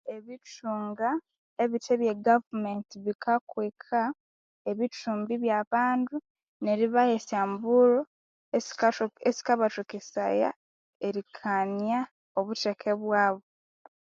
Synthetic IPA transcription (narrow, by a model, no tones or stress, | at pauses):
e̞βituːŋɡa | eβitʰeβjeɡavumentiβikʰakwekʰa | eβituːmbiβjaːβaːndu | ne̞ɾiβajesaːmbuɾo | esi̥kaβatukesa̰ja̰ | eɾikʰanja | oβutekʰe̞βwaːβo